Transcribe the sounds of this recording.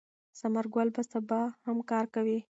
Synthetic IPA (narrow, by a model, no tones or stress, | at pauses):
samaɾɡwalbasabɑhamkɑɾkawi